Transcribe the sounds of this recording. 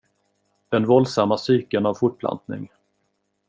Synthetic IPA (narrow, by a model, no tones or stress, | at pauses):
d̪̥ɛnvɔld̪samːasyːkənavfʊʈ̚pʰla̰nt̪nɪ̰ŋ